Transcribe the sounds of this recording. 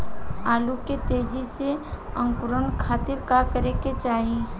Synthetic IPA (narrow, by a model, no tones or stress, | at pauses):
aːluket̪eːd͡ʒiseə̃ŋkʊɾənkʰaːt̪ɪɾkakəɾeket͡ʃaːɦi